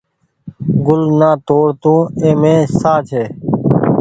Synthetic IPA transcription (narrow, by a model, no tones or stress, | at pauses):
ɡʊlnãːt̪oːɽt̪ũːẽːmẽːsaːt͡ʃʰeː